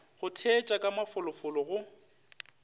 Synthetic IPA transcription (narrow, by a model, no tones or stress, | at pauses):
ɣʊtʰet͡ʃʼakʼamafʊlʊfʊlɔɣʊ